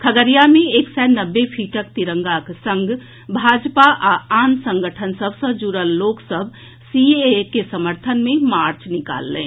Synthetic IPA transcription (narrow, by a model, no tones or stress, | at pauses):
kʰəɡəɾijamẽeksɛnəbːepʰiːʈəkt̪iɾə̃ŋɡaksə̃ŋɡ | bʱad͡ʒpaʔaansə̃ŋɡəʈʰənsəbʱsə̃d͡ʒuɾəlːoksəbʱ | siekesəməɾt̪ʰənmẽmaɾt͡ʃnika̰lːɛ̰̃